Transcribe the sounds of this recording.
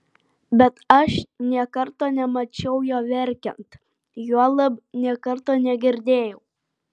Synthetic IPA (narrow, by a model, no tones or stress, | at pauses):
bʲɛt̪ɐʃnʲiɛkɐɾt̪oːnʲɛmɐt͡ʃʲɛʊjoːʋʲɛɾʲkʲɛnt̪ | juɔlˠɐbnʲiɛkɐɾt̪oːnʲɛɡʲɪɾʲd̪ʲeːjɛʊ